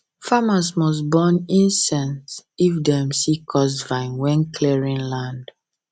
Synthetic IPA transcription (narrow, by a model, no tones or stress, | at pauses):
famasmɔs̬bɔnĩnsɛ̃ntsifdɛmsikʰɔs̬vãɪ̃nwɛ̃nkʰlɛɹĩnlãnd